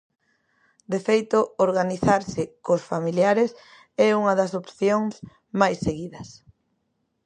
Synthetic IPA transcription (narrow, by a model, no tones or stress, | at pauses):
d̪efejt̪ʊoɾɣaniθaɾsɪkosfamiljaɾɪs | ɛuŋɐðɐsopθjoŋs | majsːeɣiðɐs